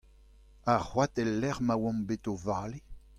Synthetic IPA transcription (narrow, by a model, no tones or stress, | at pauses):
ahwatɛlːɛʁmawɔ̃mbetovaːle